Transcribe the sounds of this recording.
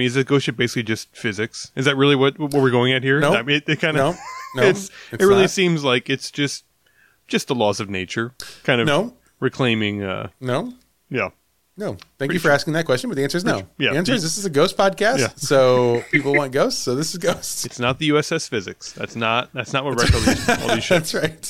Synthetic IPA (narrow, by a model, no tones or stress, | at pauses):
mĩnɨzðɨt̚ɡ̥oʊst͡ʃɨt̚b̥eɪsɪklid͡ʒʌst̚fɪzɨksɨzðɨt̚ɹɪlˠiwʌt̚wʌt̚wʌt̚wɨ˞ɡoʊɪ̃ŋɨt̚hiɹnoʊɪtɨt̚kʰãɪ̃ndoʊnoɪtsɨt̚ɹɪlˠisĩmzlaɪkɨtsd̥ʒ̥ʌst̚ | d̥ʒ̥ʌst̪̚ðəlɔzʌvneɪt͡ʃə˞kʰãɪ̃ndʌnoʊ | ɹɨkʰl̥ẽɪ̃mɪ̃ŋʌ̰noʊ | jæ̰ | noʊθæ̃kjɨfə˞æskɪ̃ŋðɨt̚kʰwɛst͡ʃɨ̃nbʌt̚ðiæ̃nsə˞ɨznoʊjæiæ̃nsə˞ɨzðɪsɨzɨɡoʊst̚pʰɑd̚kʰæsjætsoʊpʰipl̩ˠwɑ̃nt̚ɡ̥oʊstsoʊðɪsɨzɡoʊstɨtsnət̪̚ðɨjʉɛsɛsfɪzɨ̰ksðæ̰tsnət̚ðætsnət̚wʌt̚ɹɛkə̰lˠɨʃætsɹaɪt̚